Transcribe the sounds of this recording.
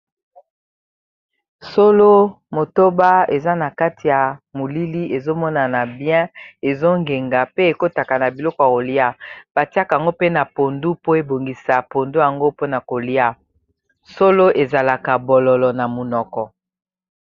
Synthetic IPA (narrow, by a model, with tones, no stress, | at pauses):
so˦lo˦ | mo˨to˦ba˦e˨za˦na˨ka˦ti˨ja˨mu˨li˦li˦ʔe˨zo˦mɔ˦na˨na˨bjɛ̃˦e˨zo˦ŋɡe˨ŋɡa˨pe˦e˨ko˦ta˨ka˨na˨bi˨lɔ˦kɔ˨a˨ko˨li˦a˦b̥a˨ti˦a˦˨ka˨a˨ŋɡo˦pe˦na˨po˨ndu˦po˦e˨bo˨ŋɡi˨sa˨po˨ndu˦ja˨ŋɡo˦po˦na˨ko˨li˦a˦ | so˦lo˦ʔe˨za˨la˨ka˨bɔ˨lɔ˨lɔ˨na˨mo˨nɔ˨kɔ˨